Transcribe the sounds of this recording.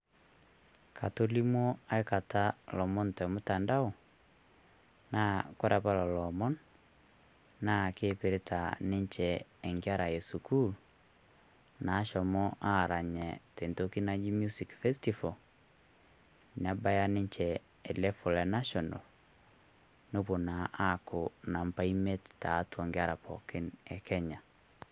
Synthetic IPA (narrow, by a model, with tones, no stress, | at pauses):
kʰa˨to˦li˦mwɔ˦a˦e˦ka˨ta˦lɔ˨mɔ˦ntɛ˨mu˦ta˨nda˦ɔ˨ | na˦kɔ˦ɾa˨pa˦lɔ˨lɔ˨mɔ˦n | na˦˨keː˦pe˨ɾe˦ta˨ne˦ɲt͡ʃɛː˨ŋɡi˦a˦ɾa˨je˨su˨ku˦l | na˨˦ʃɔ˨mɔ˦ʔa˦ɾa˨ɲɛ˨te˨nto˦ki˦na˦d͡ʒi˦mju˦si˨kfɛ˦sti˦fo˨ | n˨a˦ba˦ja˦nɪ˦ɲt͡ʃɛ˨ | ɛ˨lɛ˦fɔ˨lɛ˨na˦ʃɔ˨na̰˨l | no˦po˨na˨ʔa˦kʊ˨na˨mpa˦i˦me˦tta˨˦twɔ˨ŋɡɪ˦a˦ɾa˨pɔ̰˨kɪ˦nɛ˨kʰɛ˦ɲa˨